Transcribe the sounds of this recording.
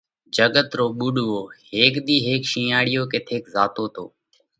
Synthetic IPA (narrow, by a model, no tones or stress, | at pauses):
d͡ʒəɠət̪ɾoːɓuːɗuoːheːkd̪iːɦeːkʃĩːaːɽɪjoːket̪ʰeːkzaːt̪oːt̪ʰo̰ː